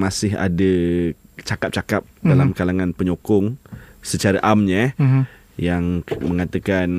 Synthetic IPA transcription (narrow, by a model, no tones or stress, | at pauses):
masɪɦa̰də | t͡ʃakap̚t͡ʃakap̚dalamkalaŋãnpəɲokɔŋsət͡ʃaɾaʔamɲa | jaŋmə̃ŋat̪əkan